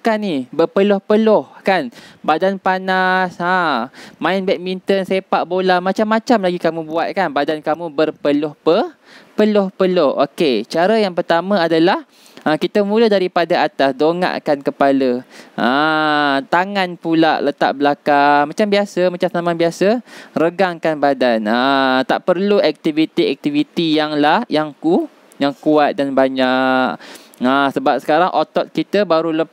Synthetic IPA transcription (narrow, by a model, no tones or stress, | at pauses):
kanibərpəlʊhpəlʊhkanbadanpanasamãɪnbɛʔ̚mint̪ənsepaʔbolahmãt͡ʃamːãt͡ʃamlaɡikamũbuat̪̚kanbadankamũbərpəlʊhpə | pəlʊhpəlʊhʔo̰ket͡ʃaɾajaŋpərt̪amãadalah | əkit̪əmũlədaɾipadaat̪asdoŋa̰ʔkankəpaləʔə | t̪aŋãnpulaʔlət̪a̰ʔ̚bəlakamãt͡ʃambiasəmãt͡ʃamsnamãbiasərəɡaŋkanbadanət̪a̰ʔpərluɛk̚t̪ivit̪iɛk̚t̪ivit̪ijaŋlahjaŋku | jaŋkuat̪̚danbaɲaʔk̚əsəbap̚sə̥kaɾaŋʔot̪ɔt̪̚kit̪əbaɾula